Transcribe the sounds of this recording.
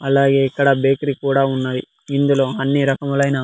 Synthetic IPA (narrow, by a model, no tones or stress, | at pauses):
ɐlːaːɡeikɐɽɐbeːkɾikuːɽɐunːɐʋi | ind̪uloɦɐnːiɾɐkɐmɐlɐjna